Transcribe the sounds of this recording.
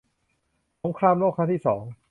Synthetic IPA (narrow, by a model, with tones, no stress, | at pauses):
so˩˦˥ŋkʰɾaː˧mloː˥˩kʰːa˥t̪ʰiː˥˩sɔː˩˦ŋ